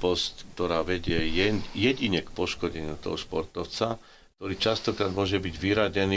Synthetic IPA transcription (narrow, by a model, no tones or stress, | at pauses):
pɔst̪kt̪ɔɾaːʋɛɟɪɛjɛjɛɟiɲɛkpɔʃkɔɟɛɲɪṵt̪ɔ̰ɦɔʃpɔɾt̪ɔʊt͡sa | k̚t̪ɔɾiːt͡ʃast̪ɔkɾaːd̪mʊɔʒɛbiɟʋiɾaɟɛniː